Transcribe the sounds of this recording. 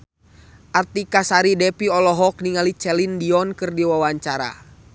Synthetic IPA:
ʔart̪ikasaɾidɛpiɔlɔɦɔk̚niŋalit͡ʃɛlindiɔnkɨrdiwawaɲt͡ʃaɾa̰

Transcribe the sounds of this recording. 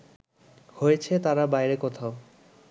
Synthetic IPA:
hojet͡ɕʰet̪aɾabajɾekɔt̪ʰao

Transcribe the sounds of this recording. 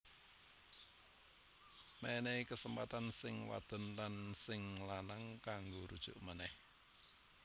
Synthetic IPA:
mɛnekəsəmpa̰t̪ansɪŋwa̰d̪̥ə̤nlansɪŋlanaŋkaŋɡoɾud̥ʒ̥ʊ̰ʔmənɛh

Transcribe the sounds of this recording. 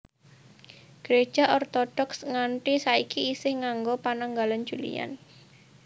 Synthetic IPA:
ɡ̥əɾe̥ʒ̥a̤ʔɔrt̪ɔɖ̥ɔksŋaɳʈisaikiːsɪhŋaŋɡopanaŋɡalan̥d͡ʒ̥ulḭja̰n

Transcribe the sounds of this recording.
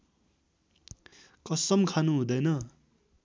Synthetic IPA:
kʌsʌmkʰanuɦũd̪ʌjnʌ

